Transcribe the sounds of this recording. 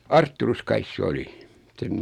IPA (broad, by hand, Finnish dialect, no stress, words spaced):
ɑrtːurus kɑis se oli sen